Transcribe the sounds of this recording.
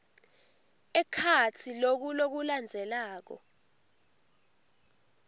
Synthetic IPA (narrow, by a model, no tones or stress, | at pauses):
ɛkʰat͡sʰilok̬ulok̬uland͡zʱɛlaːk̬ɔ̰